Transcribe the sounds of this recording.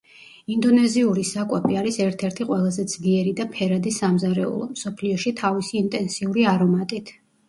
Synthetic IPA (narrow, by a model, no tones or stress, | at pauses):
ind̪ɔnɛziuɾisakʼwɛpʰiaɾisɛɾt̪ʰɛɾt̪ʰiqʼwɛlˠazɛd̪z̥liɛɾid̪apʰɛɾad̪isamzaɾɛ̰ṵlˠɔ̰msɔpʰliɔʃit̪ʰavisiːnt̪ʼɛnsiuɾiaɾɔmat̪ʼit̪ʰ